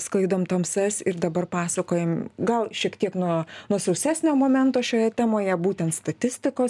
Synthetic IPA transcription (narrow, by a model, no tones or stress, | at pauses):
sklˠɐɪd̪oːmt̪ɐmsɐsʲɪɾd̪ɐbɐrpɑːsɐkoːjɛmɡɐlˠʃʲiɛkt̪ʲiɛknuɔnuɔsɐʊsʲæːsʲnʲoːmoːmʲɛnt̪oːʃʲoːjɛt̪ʲæːmoːjɛbuːt̪ʲɛnt̪st̪ɐt̪ʲɪsʲt̪ʲɪkoːs